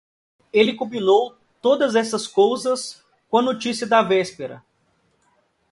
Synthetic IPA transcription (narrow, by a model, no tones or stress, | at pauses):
elɪkõbinow | t̪od̪ɐzɛsɐskowzɐs | kõɐnot͡ʃisiɐd̪ɐvɛspeɾɐ̰